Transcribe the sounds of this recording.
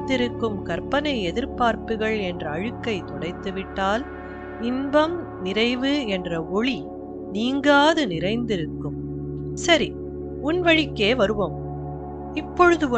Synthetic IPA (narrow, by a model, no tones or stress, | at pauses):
ɪɾɯkːɯmkɐɾpɐnɐɪɛðɪɾpaːɾpɯɣɐɭɛndrɐːɻɯkːɐɪt̪ɔɽɐɪt̪ːɯʋɪʈːaːl | nɪnbɐm | nɪɾɐɪʋɯɛndrɐɔɭi | niːŋɡaːðɯnɪɾɐɪnd̪ɪɾɯkːɯm | sɐɾi | ʊnʋɐɻɪkːeːʋɐɾɯʋom | ɪpːɔɻɯðɯɔ